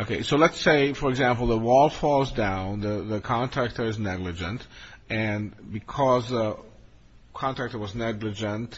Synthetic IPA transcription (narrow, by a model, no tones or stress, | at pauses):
okʰeɪsoʊlətseɪfə˞ɨɡzæ̃mpl̩ˠðəwɔlˠfɔlˠzdãʊ̃nðəðəkʰɑ̃ntʰɹ̥æk̚tə˞ɨznɛɡlɨd͡ʒɨ̰̃ntɨ̃nbɨkʰɔzðə | kʰɑ̃ntɹ̥æk̚tə˞wʌznɛɡlɨd͡ʒə̃nt